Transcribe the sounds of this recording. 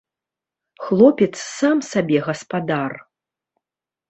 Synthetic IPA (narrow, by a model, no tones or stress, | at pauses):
xlˠɔpʲɛt̪ssamsabʲɛɣɐspad̪ar